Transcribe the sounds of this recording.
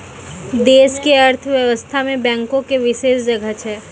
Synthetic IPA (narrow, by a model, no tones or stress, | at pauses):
d̪eːʃkeɐɾt̪ʰʋjəʋəst̪ʰamẽbɛ̃ːŋkõkeʋɪʃeːsd͡ʒɐɡʱət̪ʰɦɛː